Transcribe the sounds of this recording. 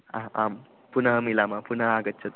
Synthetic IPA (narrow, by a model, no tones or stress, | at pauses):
aam | punəɦmilamapunəɦaɡətːt͡ʃʰət̪